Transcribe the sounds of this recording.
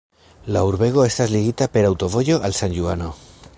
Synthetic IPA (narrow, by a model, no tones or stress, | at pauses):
lauɾβe̞ɣ̞o̞e̞st̪azliɣit̪ape̞ɾawt̪o̞βo̞ʝo̞ʔalsanʎuano̞